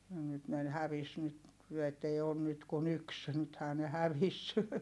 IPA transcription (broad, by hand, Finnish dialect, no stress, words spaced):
jɑ nyt ne n hæʋis nyt et ei oːn nyt kun yks nythæː ne hæʋis